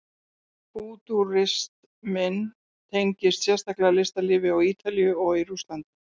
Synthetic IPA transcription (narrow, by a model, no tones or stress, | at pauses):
puːt̪uɾɪst̪ | mɪn | t̪ʰejɲcɪst̪sjɛ̥st̪aklɛɣalɪst̪alɪːvɪawiːt̪alijʏɔɣiɾust̪lant̪ɪ